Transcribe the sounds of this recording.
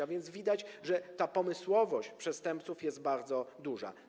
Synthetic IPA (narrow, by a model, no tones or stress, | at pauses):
avʲjɛnt̪zvʲid̪at͡ɕʐɛt̪apɔmɘswɔvɔɕt͡ɕpʂɛst̪ɛmpt̪sufjɛst̪̚baɾd̪zɔd̪uʐa̰